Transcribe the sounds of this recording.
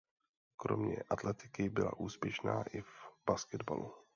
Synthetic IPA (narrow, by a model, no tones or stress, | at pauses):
kɾo̞̰mɲɛ̰ʔat̪lɛt̪ɪkɪbɪlaʔuːspjɛʃnaːʔɪvb̥askɛd̪ba̰lu